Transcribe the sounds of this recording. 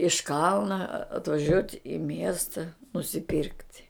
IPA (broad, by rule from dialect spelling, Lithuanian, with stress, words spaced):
ɪʃ ˈkɐlˠnɐ ɐtʋɐˈʒʲuɔtʲ ɪ ˈmʲiɛstɐ nʊsʲɪˈpʲiːrktʲ